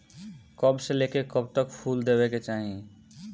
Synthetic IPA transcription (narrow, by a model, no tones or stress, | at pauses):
kəbselekekəb̚t̪əkpʰuld̪ebɛket͡ʃaɦĩ